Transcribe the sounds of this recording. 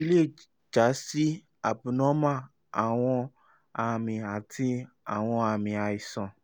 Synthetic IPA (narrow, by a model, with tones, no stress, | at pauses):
i˦le˦˨ | d͡ʒa˨˦si˦ | a˨bu˨nɔ̃˨˦mã˦ | a˨w̃ɔ̃˧ | a˧˨mĩ˨a˨tʰi˧ | a˨w̃ɔ̃˧a˧˨mĩ˨a˨i˨sɔ̃˨